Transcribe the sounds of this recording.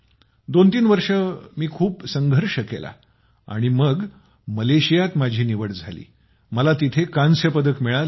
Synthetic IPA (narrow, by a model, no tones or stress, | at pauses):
d̪ont̪iːnʋəɾʂəmiːkʰuːpsəŋɡʱəɾʂəkḛla̰ | a̰ɽ̃iməɡ | məleɕijat̪mad͡ʑʱiːniʋəɽd͡zʱalḭː | məlat̪it̪ʰekansjəpəd̪əkmiɭal